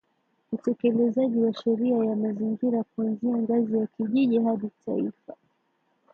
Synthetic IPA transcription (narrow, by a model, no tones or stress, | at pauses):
utɛkɛlɛzaʄiwaʃɛɾiajamaziŋɡiɾakuanziaŋɡazijakiʄiʄiɦaɗita̰ifa